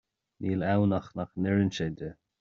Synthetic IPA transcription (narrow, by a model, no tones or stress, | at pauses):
niːlɛwnaxnaxnɪɹənʃɛdə